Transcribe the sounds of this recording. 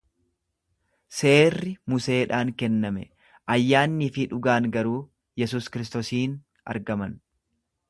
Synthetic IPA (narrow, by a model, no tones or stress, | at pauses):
se̞ːrːɪmʊse̞ːᶑaːŋkɛnːɐmɛ̰ | ʔɐjːaːnːiːfɪᶑʊɡaːŋɡɐɾuː | jɛs̬uːskɪɾɪs̬t̪oːsiːn | ɐ̰ɾɡɐmɐn